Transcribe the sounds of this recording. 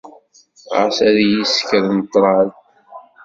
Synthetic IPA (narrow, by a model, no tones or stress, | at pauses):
ə̰sæðjiskəɾnt̪ˤːɾˤɑl